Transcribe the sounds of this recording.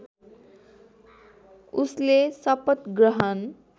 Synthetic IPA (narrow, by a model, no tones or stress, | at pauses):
uslesʌpət̪ɡɾʌɦʌn